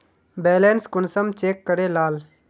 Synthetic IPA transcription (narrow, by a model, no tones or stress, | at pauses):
bɛːleːnskʊnsəmt͡ʃeːkːəɾelaːl